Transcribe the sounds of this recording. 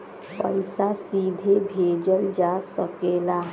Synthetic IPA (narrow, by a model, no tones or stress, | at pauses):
pə̰ɪsasiːd̪ʱebʱeːd͡ʒəld͡ʒasəkeːla